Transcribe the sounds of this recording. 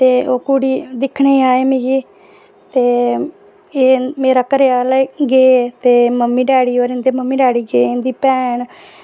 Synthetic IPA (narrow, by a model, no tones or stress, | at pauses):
t̪eːoːkuɽiːd̪ɪkʰɳeːaːeːmẽːɡiː | t̪eː | eːmeːɾaːkəɾeːaːlaɡeːt̪eːməmːiːɖɛːɽiːoːɾɪ̃nd̪eːməmːiːɖɛːɽiːɡeːɪnd̪iːpɛːɳ